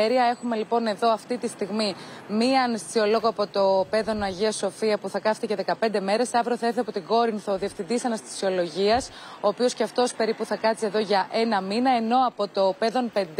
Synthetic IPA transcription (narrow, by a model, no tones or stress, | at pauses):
eɾiɐe̞xume̞lipo̞ne̞ðo̞ɐft̪it̪ist̪iɣmimiɐnɐst̪i̥sio̞lo̞ɣoɐpo̞t̪o̞pe̞ðo̞nɐʝiɐso̞fiɐpuθɐkɐft̪ece̞ðe̞kɐpe̞nd̪e̞me̞ɾe̞sɐvɾoθɐeθiɐpo̞t̪iɡo̞ɾinθo̞ðie̞fθind̪isɐnɐst̪i̥sio̞lo̞ʝiɐs | o̞ːpio̞sceɐft̪o̞spe̞ɾipuθɐkɐt͡sie̞ðo̞ʝɐʔe̞nɐminɐe̞no̞ɐpo̞t̪o̞pe̞ðo̞npe̞nd̪